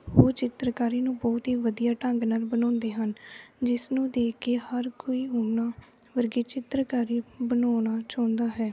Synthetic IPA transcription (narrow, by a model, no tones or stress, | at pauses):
ɦoːt͡ʃɪt̪ɾəkaːɾiːnũːbɔːt̪ɦiːʋəd̪ijaːʈə̃ŋɡnaːlbənɔ̃ːnd̪eːɦənd͡ʒɪsnũːd̪eːkeːhəɾkoːiːɦoːnaː | ʋəɾɡeːt͡ʃɪt̪ɾəkaːɾiːbənaːñaːt͡ʃãːnd̪aːɦɛː